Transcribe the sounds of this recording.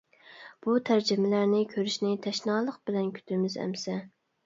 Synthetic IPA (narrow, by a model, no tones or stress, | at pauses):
b̥ut̪ʰæɾd͡ʒɪmɪlæɾnɪkʲʰøɾyʃnɪt̪ʰɛʃnɑːlˠəq̚bɪlɛnkʲʰy̥t̪ʰɪmɪzɛ̰msɛ